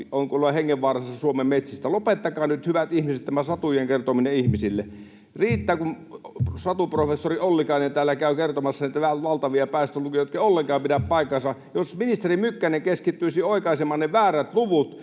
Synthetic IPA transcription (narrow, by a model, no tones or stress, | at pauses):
oˑŋkuoloɑheŋːeʋʋɑːrɑsːɑsuomemmet̪sist̪ælopet̪ːɑkɑːnyt̪hyʋæt̪ihmiset̪tæmæsɑt̪ujeŋkert̪omineihmisilːe | riːt̪ːæːkum | sɑt̪uprofesːoriolːikɑˑinent̪æːlːækæˑykert̪omɑsːɑniːt̪ææʋɑlt̪ɑʋiɑpæˑist̪ølukijɑjot̪kɑˑiolːeŋkɑˑːmpidæppɑˑikːˑɑsɑjosminist̪erimykːæneŋkeskit̪ːyisioˑikɑisemːɑnneʋæːræt̪luʋut̪